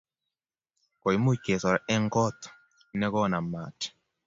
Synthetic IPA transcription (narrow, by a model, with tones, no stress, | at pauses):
ko˨i˨mo˦ke˨sɔ˨ɾɛ˦ŋɡɔ˦t̪ | nɛ˦kɔ˦na˨ma˨t